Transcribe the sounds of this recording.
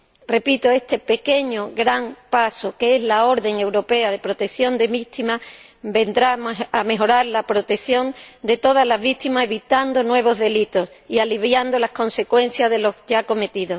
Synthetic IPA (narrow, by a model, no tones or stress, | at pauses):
re̞pit̪oe̞st̪e̞pe̞ke̞ɲoɣɾaŋpasokee̞zlao̞ɾðe̞ŋe̞wɾo̞pe̞að̞e̞pɾo̞t̪e̞kθjo̞nd̪e̞βit̪ima | be̞nd̪ɾaame̞ɦo̞ɾaɾlapɾo̞t̪e̞kθjo̞nd̪e̞t̪o̞ð̞azlazβit̪imase̞βit̪and̪o̞nwe̞β̞o̞zðe̞lit̪o̞s | ialiβjand̪olasko̞nse̞kwe̞nθjazðe̞lo̞ʝako̞me̞t̪iðo̞